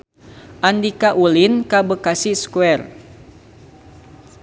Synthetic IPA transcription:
ʔandikaʔulinkabəkasiskuɛr

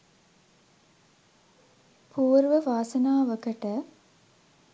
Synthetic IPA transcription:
pʰuːɾʋəʋaːsənaːʋəkəʈə

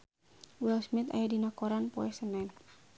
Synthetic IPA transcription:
wilsmit̪a̰jadinakɔɾanpɔɛsənɛn

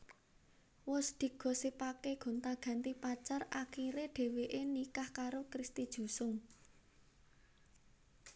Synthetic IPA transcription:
wʊsd̪̥i̤ɡ̥ɔ̤sipakeɡ̥o̤nt̪aɡ̥a̤nt̪ipat͡ʃarakiɾeɖ̥e̤weʔenikahkaɾokɾist̪id̥ʒ̥ṳsʊŋ

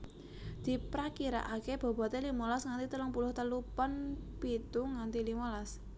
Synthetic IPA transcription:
d̪̥i̤pɾakiɾa̰ʔakeb̥ɔ̤b̥ɔ̤t̪elimolasŋant̪it̪əlʊŋpulʊht̪əlupənpit̪uŋant̪ilimɔlas

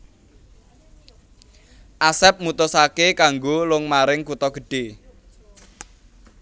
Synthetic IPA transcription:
ʔasɛp̚mut̪ʊsakekaŋɡolʊŋmaɾɪŋkut̪ɔɡ̥ə̤ɖ̥e

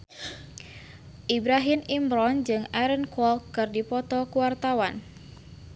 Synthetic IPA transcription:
ʔibɾaɦimimbɾɔnd͡ʒɨŋaɾənkɔlkɨrdipɔt̪ɔkuwart̪awan

